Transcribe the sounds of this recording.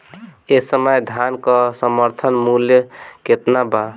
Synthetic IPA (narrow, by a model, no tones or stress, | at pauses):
esəməjd̪ʱjankəsəməɾt̪ʰənmuljəket̪naba